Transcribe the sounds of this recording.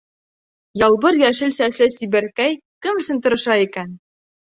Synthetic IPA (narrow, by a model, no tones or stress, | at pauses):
jɒlˠbɤɾjæʃɘ̆lsæsɘsibæɾkæj | kɘmɵ̆sɘ̆nt̪ŏɾɤ̆ʃɑikæn